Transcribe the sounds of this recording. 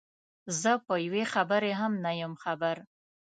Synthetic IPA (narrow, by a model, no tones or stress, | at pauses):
zəpəjwexabəɾeɦamnajəmxabaɾ